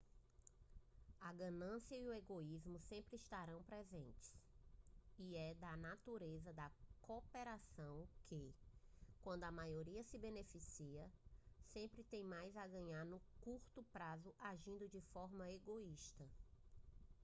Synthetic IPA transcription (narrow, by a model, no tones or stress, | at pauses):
ɐɡɐ̃nɐ̃siɐiueɡoizmʊsẽmpɾɪiʃt̪aɾɐ̃w̃pɾɛzẽnt͡ʃɪ̥s | iɛd̪ɐnat̪uɾezɐd̪ɐkopeɾasɐ̃w̃kʰɪ | kwɐ̃nd̪ʊɐmajoɾiɐsɪbenefisiɐsẽmpɾɪt̪ẽj̃majzaɡɐ̃ɲaɾnʊkuɾt̪ʊpɾazʊʔaʒĩnd̪ʊd͡ʒɪfɔɾmɐeɡoiʃt̪ɐ